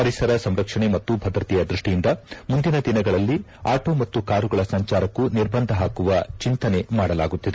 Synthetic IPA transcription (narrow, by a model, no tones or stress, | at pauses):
pɐɾisɐɾɐsɐmɾɐkʂɐɳe̞mɐt̪ːubʱɐd̪ɾɐt̪ijɐd̪ɾuʂʈijind̪ɐmund̪inɐd̪inɐɡɐɭɐlːi | aːʈo̞ːmɐt̪ːukaːɾuɡɐɭɐsɐɲt͡ʃaːɾɐkːuniɾbɐnd̪ʱɐɦaːkuʋɐt͡ʃint̪ɐne̞maːɽɐlaːɡut̪ːid̪e